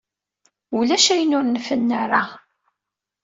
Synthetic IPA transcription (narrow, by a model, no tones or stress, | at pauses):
ulæʃæjənʊɾnəfənːaɾa